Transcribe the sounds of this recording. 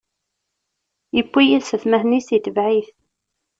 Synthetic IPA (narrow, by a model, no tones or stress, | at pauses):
jəpʷːijæsəθmæhnisit̪əvʕiθ